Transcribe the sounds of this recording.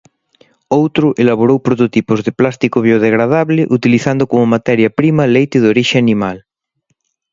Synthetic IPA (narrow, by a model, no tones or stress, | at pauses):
owt̪ɾʊʔelaβ̞oɾowpɾot̪ot̪ipozðeplast̪ikoβjoð̞eɣɾað̞aβleʔut̪iliθand̪okomomat̪ɛɾjapɾimalejt̪eðoɾiʃeanimal